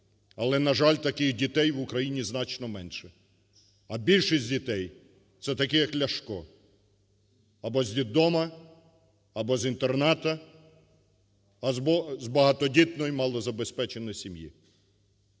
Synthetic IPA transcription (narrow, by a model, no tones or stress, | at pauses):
ɐlˠɛnɐʒɑlʲt̪ɐkɪxdʲit̪ɛjʋʊkɾɐjinʲiznɑt͡ʃnɔmɛnʃɛ | ɐbʲilʲʃisʲdʲit̪ɛj | t̪sɛt̪ɐkɛjɐklʲɐʃkɔ | ɐbɔzʲʋʲid̪ɔmɐ | ɐbɔzint̪ernɑt̪ɐ | ɐzbɔzbɐɦɑt̪ɔdʲit̪nɔjimɑlˠɔzɐbespɛt͡ʃenɔjsʲimjḭ